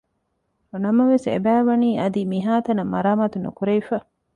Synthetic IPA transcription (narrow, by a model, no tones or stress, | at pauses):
onɐmɐʋesḛbæːʋɐniːʔɐd̪imiɦaːt̪ɐnɐmːɐɾaːmaːt̪unṵkuɾeifɐ